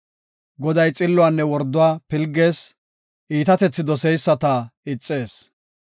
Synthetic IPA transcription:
ɡɔd̪ɐjt͡sʼɪlːʊanːɛwɔɾd̪ːʊwaːpɪlɡe̞ːs | ʔiːt̪ɐt̪ɛt͡sːɪd̪ɔsɛjsːɐt̪ɐɪt͡sʼːe̞ːs

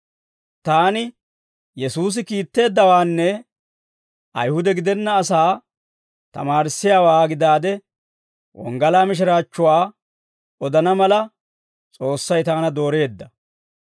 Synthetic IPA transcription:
t̪aːnɪ | jɛsuːs̬ɪkiːt̪ːe̞ːd̪ːɐwaːnːɛ | ʔɐ̰jhʊd̪ɛɡɪd̪ɛnːɐːsaː | t̪ɐ̰maːɾɪsːɪjaːwaːɡɪd̪aːd̪ɛ | wɔ̰ŋɡɐlaːmɪʃ̬ɪɾaːt͡ʃːʊwaː | ɔd̪ɐnɐmɐlɐ | t͡sʼo̞ːsːɐjt̪aːnɐd̪o̞ːɾe̞ːd̪ːɐ

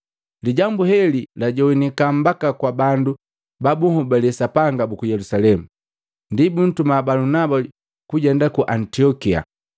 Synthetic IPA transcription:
liɟambuhɛlilaɟɔwinikam̩bakakwabandu | babuhɔbalɛsapaŋɡabukujɛlusalɛmu | ndibun̩tumabalunaba | kuɟɛndakuʔantiɔkia̰

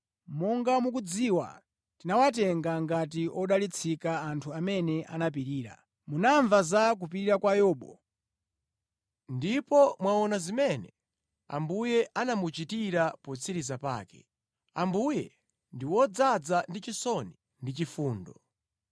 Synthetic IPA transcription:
mɔŋɡamuk̬ud͡ziwa̰ | tinawat̬ɛŋɡaŋɡatiʔɔɗalit͡sʰikaːntʰuamɛnɛʔanap̬iɾiːɾa̰ | munaɱvazak̬upiɾiɾakwajɔːɓɔ̰ | ndipɔmwaɔnazimɛnɛ̰ | a̰mbujɛʔanamut͡ʃitiɾapɔt͡sʰiɾizapa̰ːkɛ̥̰ | a̰mbujɛ̰ | ndiwɔd͡zad͡zandit͡ʃisɔni | ndit͡ʃifuːndɔ

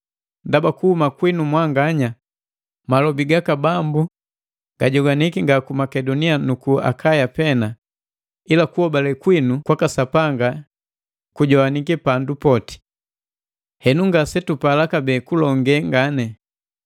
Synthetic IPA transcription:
ndabakuhumakwinumwaŋɡaɲa | malɔbiɡakabambu | ɡ̥aɟɔɡanikiŋɡakumakɛdɔnianukua̰kajapɛna | ilakuhɔbalɛkwinukwakasapaŋɡa | kuɟɔaniɡɛpandupɔti̥ | hɛnuŋɡasɛtupalakabɛːkulɔŋɡɛŋɡanɛ

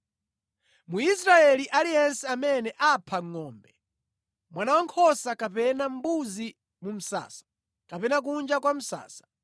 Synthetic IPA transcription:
muisɾaɛliʔalijɛnsɛamɛnɛʔapʰaŋːɔːmbɛ | mwanawaŋkʰɔsakapɛnam̩buzi | mum̩sa̰ːsḁ | kapɛnak̬und͡ʒakwam̩sa̰ːsḁ

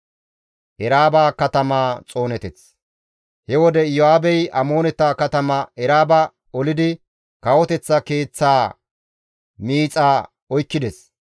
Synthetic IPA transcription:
ʔɛɾaːbaːkɐt̪ɐmaːt͡sʼo̞ːnɛt̪ɛt͡s | hɛwɔd̪ɛjɔaːbɛjɐmo̞ːnɛt̪ːaːkɐt̪ɐmɐɛɾaːbɐ | ɔlɪd̪ɪ | kɐwɔt̪ɛt͡sːɐke̞ːt͡sːaː | miːt͡sʼaː | ɔjkːɪd̪ɛs

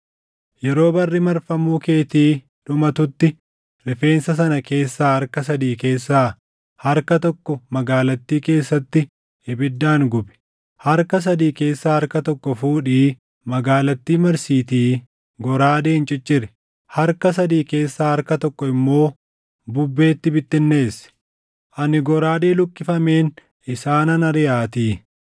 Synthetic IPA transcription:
jɛɾo̞ːbɐrːɪmɐɾfɐmuːke̞ːt̪iː | ᶑʊmɐt̪ʊt̪ːɪ | ɾɪfe̞ːnsɐs̬ɐnɐke̞ːsːaːhɐɾkɐs̬ɐd̪iːke̞ːsːaː | hɐɾkɐt̪ɔkːɔmɐɡaːlɐt̪ːiːke̞ːsːɐt̪ːɪ | hɪbɪd̪ːaːŋɡʊbɛ̥ | hɐɾkɐs̬ɐd̪iːke̞ːsːaːhɐɾkɐt̪ɔkːɔfuːᶑiː | mɐɡaːlɐt̪ːiːmɐɾsiːt̪iː | ɡɔɾaːd̪eːnt͡ʃʼɪt͡ʃʼːɪɾɛ̥ | hɐɾkɐs̬ɐd̪iːke̞ːsːaːhɐɾkɐt̪ɔkːɔɪmːo̞ː | bʊbːe̞ːt̪ːɪbɪt̪ːɪnːe̞ːsɛ̥ | ʔɐnɪɡɔɾaːd̪e̞ːlʊkʼːɪfɐme̞ːn | ɪsaːnɐnɐɾɪjaːt̪iː

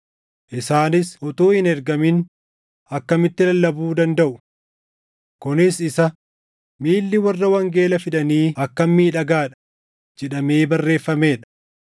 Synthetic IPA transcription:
ʔɪsaːnɪsʔʊt̪uːhɪnɛɾɡɐmɪn | ɐkːɐmɪt̪ːɪlɐlːɐbuːd̪ɐnd̪ɐʔʊ | kʊnɪsɪsɐ | miːlːɪwɐrːɐwɐŋɡe̞ːlɐfɪᶑ̪ɐniːɐkːɐmːiːᶑɐɡaːᶑɐ̥ | d͡ʒɛᶑɐme̞ːbɐrːe̞ːfːɐme̞ːᶑɐ̥

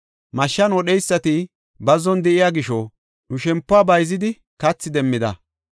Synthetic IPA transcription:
mɐʃːɐnɔɗɛjsːɐt̪ɪ | bɐzɔnd̪ɛʔɪjaɡɪʃɔ | nʊʃɛmpːʊaːbɐjzɪd̪ɪ | kɐt͡sːɪd̪ɛmːɪd̪ɐ̰

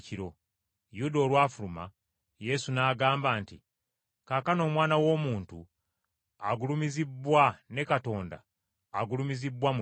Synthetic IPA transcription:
ciɾo̞ | judo̞ːlwaːfuluma̰ | je̞sunaːɡaːmbaːntḭ | kakano̞ːmwaːnawo̞ːmuːntu | aɡulumizibːwane̞kato̞ːnda̰ː | ɡulumizibːwam

